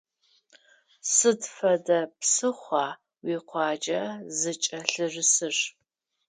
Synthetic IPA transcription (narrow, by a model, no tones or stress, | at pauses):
sɨdfɐdɐpsɨχʷɑː | wiːqʷʰɑːd͡ʒɐzɨt͡ʃʼɐɬɨrɨsɨɕ